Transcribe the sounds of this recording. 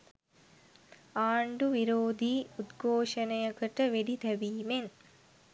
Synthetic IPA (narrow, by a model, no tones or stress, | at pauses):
aːɳɖuʋiɾoːd̪iːud̪ɡʱoːʂənəjəkəʈəʋeɖit̪æbiːmen